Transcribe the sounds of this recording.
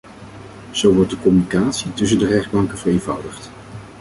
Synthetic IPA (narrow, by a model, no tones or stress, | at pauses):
z̥owʋɔɹt̚dəkɔmynikaːtsitɵs̬əndərɛχd̚bɑŋkəvərejnvʌwdəχt